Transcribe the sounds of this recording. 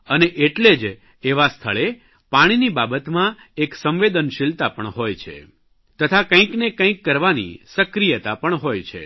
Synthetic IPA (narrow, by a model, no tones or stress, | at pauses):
əneʔeʈled͡ʒ | eʋast̪ʰəɭe | paɽ̃inibabət̪mã | eksə̃mʋed̪ənʃɪlt̪apəɳɦojt͡ʃʰḛ | t̪ət̪ʰakə̃ĩknekə̃ĩkːəɾʋanḭsəkɾijət̪apəɳɦojt͡ʃʰḛ